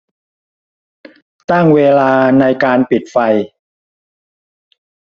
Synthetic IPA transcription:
t̪a˥˩ŋweː˧laː˧na˧jkaː˧npi˨˩t̪̚fa˧j

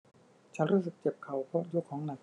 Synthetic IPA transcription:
t͡ɕʰa˦˥nɾuː˦˥s̬ɯ˨˩k̚t͡ɕe˨˩p̚kʰa˨˩wpʰɔ˦˥t͡ɕu˧˥˩kʰːɔː˩˦ŋna˨˩k̚

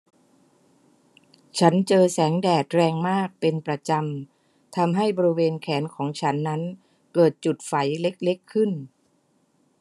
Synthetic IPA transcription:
t͡ɕʰa˦˥nt͡ɕɤː˧sɛː˩˦ŋdɛː˨˩t̪̚ɾɛː˧ŋmaː˥˩k̚pe˧npɾa˧t͡ɕa˧m | t̪ʰa˧mɦa˥˩jbɔː˧ɾi˦˥weː˧nkʰɛː˩˦nkʰɔː˩˦ŋt͡ɕʰa˦˥nːa˦˥n | kɤː˨˩t̪̚t͡ɕu˨˩t̪̚fa˩˦jle˦˥k̚le˦˥kʰːɯ˥˩n

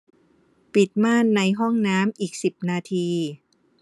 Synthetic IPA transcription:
pi˨˩t̪̚maː˥˩nːa˧jɦɔ˥˩ŋnaː˦˥mʔiː˨˩k̚si˨˩p̚naː˧t̪ʰiː˧

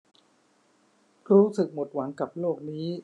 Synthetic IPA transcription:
ɾuː˦˥sɯ˨˩k̚mo˨˩t̪̚wa˩˦ŋka˨˩p̚loː˥˩k̚niː˦˥

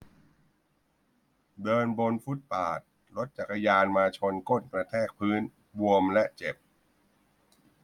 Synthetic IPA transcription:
dɤː˧nbo˧nfu˦˥t̪̚paː˨˩t̪̚ | lo˦˥t̪̚t͡ɕa˨˩ka˧jaː˧nmaː˧t͡ɕʰo˧nko˥˩nkɾa˧t̪ʰɛː˥˩k̚pʰɯː˦˥n | bu˧əmlɛ˦˥ʔt͡ɕe˨˩p̚

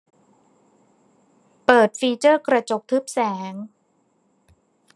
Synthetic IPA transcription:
pɤː˨˩t̪̚fiː˧t͡ɕɤː˥˩kɾa˧t͡ɕo˨˩k̚t̪ʰɯ˦˥p̚sɛː˩˦ŋ

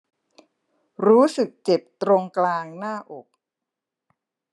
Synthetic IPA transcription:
ɾuː˦˥sɯ˨˩k̚t͡ɕe˨˩p̚t̪ɾo˧ŋklaː˧ŋnaː˥˩ʔo˨˩k̚

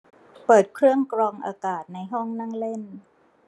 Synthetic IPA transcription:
pɤː˨˩t̪̚kʰɾɯ˥˩əŋkɾɔː˧ŋʔa̰ː˧kaː˨˩t̪̚na˧jɦɔ˥˩ŋna˥˩ŋle˥˩n

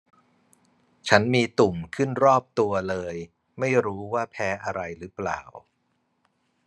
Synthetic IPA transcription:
t͡ɕʰa˦˥nmiː˧t̪u˨˩mkʰɯ˥˩nɾɔː˥˩p̚t̪u˧ɐlɤː˧j | ma˥˩jɾuː˦˥waː˥˩pʰɛː˦˥ʔa˧ɾa˧jɾɯː˦˥pla̰ː˨˩w

